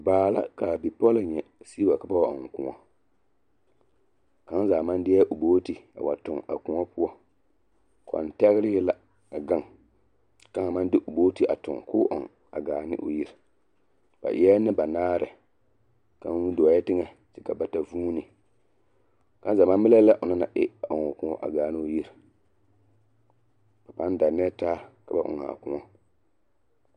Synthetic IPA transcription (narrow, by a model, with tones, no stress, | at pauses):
baː˨la̰˦ka˨bi˨pɔ˦la˨ɲɛ˨si˦ba˨ka˨ba˦wa˦˨ʔɔ̰˨ŋ˨kʊ̰˨ŋɔ̰˨ | ka˨˦n˦zaː˨ma˦n˦dɪ˦ɛ˦ʔʊ˨boː˦ti˨a̰˨wa̰˨tʊ˨ŋa̰˨kʊ˨ɔ˦pʊ˦ɔ˦ | kɔ̰˨n˨tɛ˦ɣɪ˦ɾɪ˦ɡɪ˦la˦ | a˨ɡa˦˨ŋ | ka˦˨ŋ˨ma˦ndɪ˦ʔʊ˨boː˦ti˦ʔa̰˨tʊ̰˨ŋkʊ˦ʔɔ̰˨ŋ | a̰˨ɡaː˨nɪ̰˦ʔʊ˨ji˦ɾ | b̥a̰˨ʔɪ˨˦ɛ˦nɪ˦ba˨naː˦ɾɨ˨ | ka˨˦wu˦do˨a˨jɛ˦tɪ˦ŋɛ˦ | ti̥˦ka˨ba˨ta˨vuː˦nɨ˨ | ka˦n˦za˨ma˦mɪ˦lɛ˦la˦ʔʊ˨na˦na̰˨ʔɪ̰˦ba˨ʔʊ˨ŋɔ˨kʊ˦ɔ̰˦ʔa̰˨ɡaː˨˦nɪ˦o˦ji˦ɾ | ba˨pa˦n˦da˨nɛ˦taː˦ka˨ba̰˨ʔʊ̰˨ŋa̰˨kʊ˨ŋɔ˦